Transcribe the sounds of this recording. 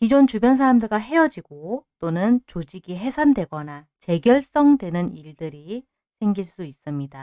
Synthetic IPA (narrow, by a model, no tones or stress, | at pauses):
kid͡ʑont͡ɕubjʌns̬ʰaɾamdɯɭɡaɦe̞jʌd͡ʑiɡot͈onɯnt͡ɕod͡ʑiɡiɦe̞sʰandwe̞ɡʌna | t͡ɕe̞ɡjʌɭs͈ʌŋdwe̞nɯniɭdɯɾi | sʰe̞ŋɡiɭs͈uis͈ɯmɲida